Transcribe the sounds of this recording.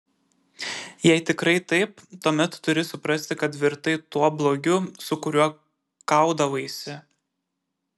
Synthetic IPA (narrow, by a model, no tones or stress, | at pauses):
jɛɪt̪ʲɪkɾɐɪt̪ɐɪp̚t̪uɔmʲɛt̪ːʊɾʲɪsʊpɾɐsʲt̪ʲɪkɐt̪ʋʲɪɾt̪ɐɪt̪uɔblˠoːɡʲʊsʊkʊɾʲuɔ | kɐˑʊd̪ɐʋɐɪsʲɪ